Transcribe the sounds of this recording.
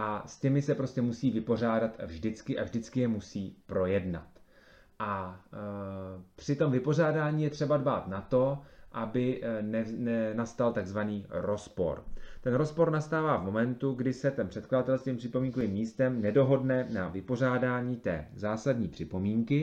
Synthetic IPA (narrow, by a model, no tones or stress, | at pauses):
ʔascɛmɪsɛpɾo̞scɛmusiːvɪpo̞r̝aːdat̪avʒdɪt͡skɪʔa̰vʒdɪt͡skɪjɛmusiːpɾo̞jɛdna̰t̪ | ʔa | pr̥ɪt̪o̞mvɪpo̞r̝aːdaːɲiːjɛt̪r̥ɛbadbaːt̪nat̪o̞ʔabɪnɛnɛnast̪alt̪aɡzvaniːɾo̞spo̞̰ɾt̪ɛnɾo̞spo̞ɾnast̪aːvaːvmo̞mɛnt̪uɡdɪsɛt̪ɛnpr̝̥ɛt̪kladat̪ɛlsk̪iːmpr̥ɪpo̞miːŋkovimːiːst̪ɛmnɛdo̞ɦo̞dnɛnavɪpo̞r̝aːdaːɲiːt̪ɛ̰ːzaːsadɲiːpr̝̥ɪpo̞miːŋkɪ